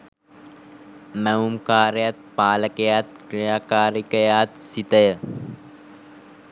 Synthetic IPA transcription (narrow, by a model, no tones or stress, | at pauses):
mɛumkaːɾjɐt̪̚paːləkejat̪̚kɾijakaːɾikəjaːt̪sit̪əjə